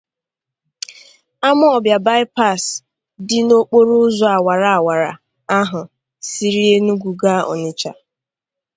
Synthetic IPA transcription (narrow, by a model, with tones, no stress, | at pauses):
a˦mʊ˦ɔ˨bja˨ba˦ɪ˦pa˦˨s | dɪ˦no˦k͡po˦ɾu˦zɔ˨a˨wa˨ɾa˨a˨wa˨ɾa̰˨ | a˦ɦʊ˨ | si˦ɾi˦e˦nu˦ɡu˨ɡa˦ɔ̰˨ɲɪ˨t͡ʃa̰˨